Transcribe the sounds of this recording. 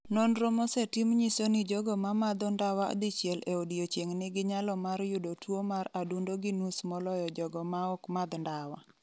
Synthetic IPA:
nɔnɾomɔsɛtimɲisonɪd͡ʒɔɡɔmamad̪ɔndawao̰d̪it͡ʃjɛleodiot͡ʃeŋnɪɡɪɲalɔmarjʊdotwomaɾadundoɡɪnusmɔlɔjɔd͡ʒɔɡɔmaɔkmad̪ndawa

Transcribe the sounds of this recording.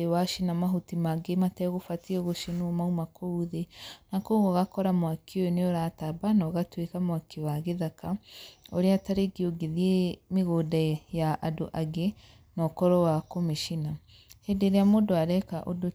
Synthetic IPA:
ewaʃinamaɦutimaɡematɛɣofatiɛɣoʃenumaumakouðenakoɣoɣakɔɾamwakʰiojoneoɾatabanɔɣatwekamwakewaɣeðakaoɾeataɾeɡioɡeðiemeɣodajaʔadoʔaɡe | nɔkɔɾɔwakomeʃina | hedeɾeamodoaɾɛkaʔodo

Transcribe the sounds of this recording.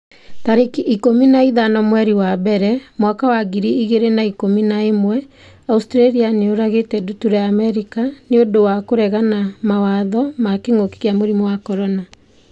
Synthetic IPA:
taɾekiikominaiðanɔmwɛɾiwabɛɾɛmwakawaɡiɾiiɣeɾenaikominaemwɛ | austɾeɾianeoɾaɣetɛdutuɾeaːmɛɾikaneondowakoɾɛɣanamawaðɔmakeŋoke̥keamoɾimɔwakɔɾɔna

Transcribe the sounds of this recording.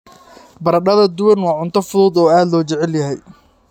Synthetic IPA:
bɐɾɐɖɐðɐd̪ʊwɐnwɑːʕʊnt̪ʰɐfʊðuːd̪ɔːaːd̪lɔːt͡ʃɛʕɛljɐɦɛj

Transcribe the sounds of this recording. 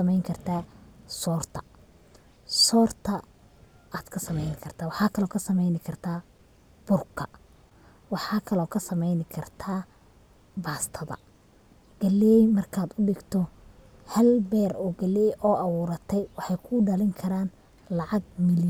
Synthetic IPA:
ɐmɛjŋkʰɐrt̪ʰaːsɔːrt̪ʰɐ̥ | sɔːrt̪ʰɐ | aːd̪kʰɐsɐmɛjnɪkʰɐrt̪ʰaːwɑħɑːkʰɐlɔːkʰɐsɐmɛjnɪkʰɐrt̪ʰaː | b̥ʊrkʰːɐ | wɑħɑːkʰɐlɔːkʰɐsɐmɛjnɪkʰɐrt̪ʰaː | baːst̪ʰɐðɐ̰ | ɡ̥ɐlɛɛjmɐrkʰaːd̪ʊɖɪɡt̪ʰɔ | hɐlbɛːɾɔːɡɐlɛjʔɔːʔɐwʊːɾɐt̪ʰɛjwɑħɑjkʰʊːɖɐlɪŋkʰɐɾaːn | lɑʕɑɡ̚mɪl

